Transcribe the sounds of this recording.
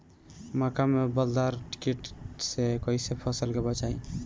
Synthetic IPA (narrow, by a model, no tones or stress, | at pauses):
makamebəld̪aɾʈi̥keʈsekɔisepʰɔsəlkebət͡ʃaĩ